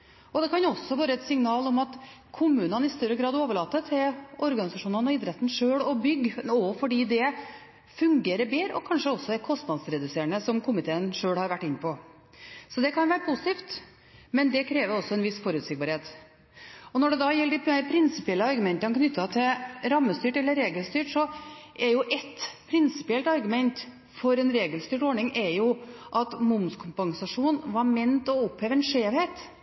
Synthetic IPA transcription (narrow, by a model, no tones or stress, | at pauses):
ɔd̪ɛkʰɑnɔsːɔʋɑːɾəɛt̪sɪŋnɑːlɔmɑt̪ | kʰʊmʉːnənɪst̪œɾːəɡɾɑːd̪oːʋəɭɑːt̪ːət̪ʰɪlɔɾɡɑnɪsɑʂuːnənɔɪd̪ɾɛt̪ːn̩ʂøːɽɔbʏɡːɔfɔɖiːd̪ɛ | fʉŋɡeːɾəbeːɾəɔkʰɑnʂəɔsːɔɛkʰɔst̪nɑd̪sɾɛd̪ʉseːəɳəsɔmkʰʊmɪt̪ʰeːənʂøːɽhɑɾʋæʈːɪnːəpʰɔ | sɔd̪ɛkʰɑnʋæːɾəpʰusɪ̥t̪iːft̪ | mɛnd̪ɛkʰɾeːʋəɾɔsɔɛnʋɪsfɔɾʉːt̪sɪɡ̚bɑːɾheːt̪ | ɔnɔɖɛd̪ɑːjɛlːəɖɪæpʰɾɪnsɪpɪɛlːəɑɾɡʉmɛnt̪ənkʰnʏt̪ːɑt̪ʰɪɾɑmːəst̪yːʈɛlːəɾeːɡəlst̪yːʈʂɔʔɛɾjʊʔɛt̪pʰɾɪnsɪ̥pɪɛlt̪ɑɾɡʉmɛnt̪ | fɔɾɛnɾeːɡəlst̪yːʈɔɳɪŋʔɛɾjʊʔɑt̪mʊmskʰʊmpɑŋsɑʂuːnʋɑɾmɛnt̪ɔʊpheːʋəɛnʂeːʋheːt̪